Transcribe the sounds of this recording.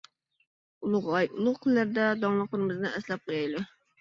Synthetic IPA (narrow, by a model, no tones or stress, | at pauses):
ulˠʊʁɑjulˠʊʁqʰəlːæɾd̪ɛd̪ɑŋlˠəqləɾɨmɨznɨɛslɛp̚qʰojɑjlɪ